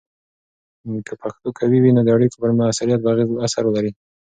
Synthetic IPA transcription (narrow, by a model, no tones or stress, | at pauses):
kʰəpʰaxt̪okʰawiwinod̪əaɽikbəɾmaasaɾijat̪̚ɾɑɣezasaɾwəlaɾi